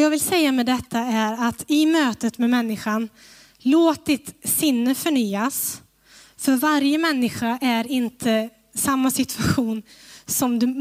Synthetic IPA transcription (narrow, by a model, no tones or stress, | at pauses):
jɑːɡvɪlsɛjːamɛd̪ɛt̪ʰːaæɾat̪ɪmøːt̪ət̪mɛmɛnːɪɧan | loːt̪̚d̪ɪt̪sɪnːəfœɳyːas | fœɾvaɾjəmɛnːɪɧaʔæɾɪnt̪ʰə | samːasɪt̪ʰʉaɧuːnsɔmd̪ɵ